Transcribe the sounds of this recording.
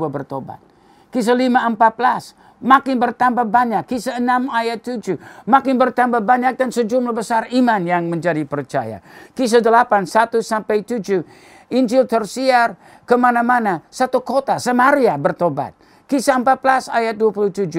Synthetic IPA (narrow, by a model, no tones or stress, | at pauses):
abərt̪oba̰t̪̚ | kis̬alimaəmpat̪̚bəlas | makɪnbərt̪ambabaɲakːisaənamajat̪ːud͡ʒumakɪnbərt̪ambabaɲak̚dansəd͡ʒumlahbəsarimanjaŋməɲd͡ʒadipərt͡ʃaja̰kis̬ədəlapansat̪usampajt̪ud͡ʒu | iɲd͡ʒɪlt̪ərsiar | kəmanamanasat̪ukot̪asəmaɾiabərt̪oba̰t̪̚ | kisaəmpat̪̚bəlasajat̪̚duapuluht̪ud͡ʒu